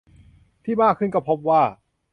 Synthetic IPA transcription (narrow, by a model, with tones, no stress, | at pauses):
t̪ʰiː˥˩maː˥˩kʰːɯ˥˩nkɔ˥˩pʰo˦˥p̚waː˥˩